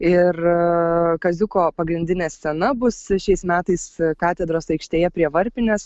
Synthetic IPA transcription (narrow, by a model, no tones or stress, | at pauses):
ɪr | kɐzʲʊkoːpɐɡɾʲɪnʲd̪ʲɪnʲeːsʲɛnɐbʊsʃʲɛɪsmʲæːt̪ɐɪskɑːt̪ʲɛd̪ɾoːsɐɪkʃʲt̪ʲeːjɛpʲɾʲiɛʋɐɾʲpʲɪnʲɛs